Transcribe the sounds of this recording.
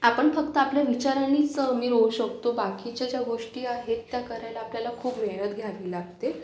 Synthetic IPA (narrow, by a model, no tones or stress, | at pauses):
apəɳfək̚t̪əapljaʋit͡ɕaɾaniəmiːɾouɕəkt̪obakit͡ɕad͡ʑjaɡoʂʈiːaɦet̪ːjakəɾajlaːpljalakʰuːpʋeɽ̃ət̪ɡʱjaʋilaɡ̚t̪e